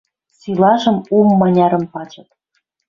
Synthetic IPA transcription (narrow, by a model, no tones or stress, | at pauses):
sylɑʒɤ̆mumːɑnʲɑɾə̆mpɑt͡ɕɤ̆t̪̚